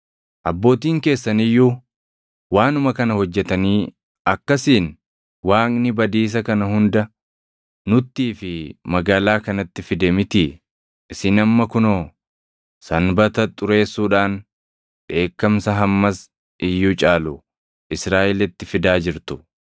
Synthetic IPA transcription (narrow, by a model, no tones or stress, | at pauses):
ʔɐbːo̞ːt̪iːŋke̞ːsːɐnɪjːuː | waːnʊmɐkɐnɐhɔd͡ʒːɛt̪ɐniː | ɐkːɐsiːn | waːŋʼnɪbɐd̪iːs̬ɐkɐnɐhʊnd̪ɐ | nʊt̪ːiːfɪmɐɡaːlaːkɐnɐt̪ːɪfɪd̪emɪt̪i | ʔɪsɪnɐmːɐkʊno | sɐnbɐt̪ɐt̪ʼʊɾe̞ːsːuːᶑaːn | ᶑe̞ːkːɐmsɐɦɐmːɐs | ɪjːuːt͡ʃʼaːlʊ | ʔɪsɾaːʔɪlɪt̪ːɪfɪd̪aːd͡ʒɪɾt̪ʊ̥